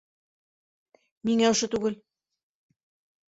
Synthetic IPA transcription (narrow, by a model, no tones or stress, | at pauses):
niŋæŏʃɤ̆t̪ʉɡɘl